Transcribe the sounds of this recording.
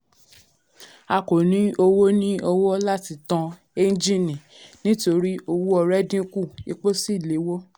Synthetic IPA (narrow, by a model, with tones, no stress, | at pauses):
a˧ko˨nĩ˨˦o˧wo˦nĩ˦o˧wɔ˦la˦ti˧tã˧ | e˦n˦d͡ʒĩ˦˨nĩ˨ | nĩ˦to˧ɾi˦o˧wu˦ɔ˧ɾɛ˦dĩ˦ku˦˨i˧k͡po˦si˦˨le˨˦wo˦